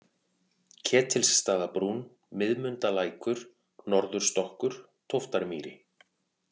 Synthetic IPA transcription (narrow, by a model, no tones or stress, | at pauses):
cʰɛːt̪ʰɪlsːt̪aːðapɾun | mɪðmʏnt̪alaːjkʏɾ̥ | nɔɾðʏɾ̥st̪ɔhkʏɾ̥ | t̪ʰowft̪aɾmiːɾɪ